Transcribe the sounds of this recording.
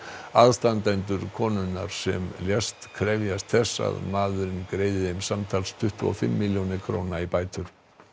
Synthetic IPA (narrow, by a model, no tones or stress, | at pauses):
aðst̪ant̪ajnt̪ʏɾkʰɔːnʏnːaɾ̥sɛ̰mljɛst̪kʰɾɛvjast̪θɛsːa̰ðmaːðʏɾɪnkɾeːjðɪɪmsamt̪ʰalst̪ʰʏht̪uɔ̰fɪ̰mːiljownɪkʰɾownaipaːjt̪ʏɾ̥